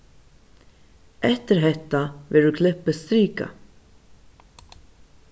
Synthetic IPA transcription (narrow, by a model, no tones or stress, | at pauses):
ɛht̪ɪɾɦɛht̪ːavɛːɾʏkʰlɪpːəst̪ɾiːka̰